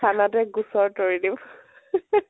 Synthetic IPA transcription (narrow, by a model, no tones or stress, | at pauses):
anatɛɡusɔɹtoɹidim